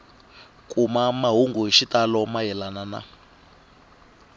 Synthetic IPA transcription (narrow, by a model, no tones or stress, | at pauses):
kʼumamaɦuŋɡuɦiʃitalɔmajɛlanana̰